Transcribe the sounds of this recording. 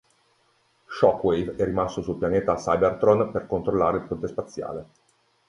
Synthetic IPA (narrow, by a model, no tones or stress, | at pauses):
ʃɔkːwejvɛrːimast̪osulpjaneːt̪asajbert̪ɾonperkont̪ɾolːaːɾeilpont̪espat̪sːja̰ːle